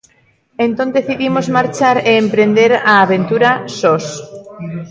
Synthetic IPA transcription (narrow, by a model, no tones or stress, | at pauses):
ẽnt̪ond̪eθiðimozmaɾt͡ʃaɾeːmpɾend̪eɾaːβẽnt̪uɾasos